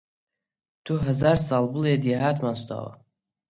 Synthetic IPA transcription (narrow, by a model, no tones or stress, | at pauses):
t̪ʰuɦəzaɾsɑːlˠbɨlˠed̪iɦaːt̪manst̪ɑ̰wə̰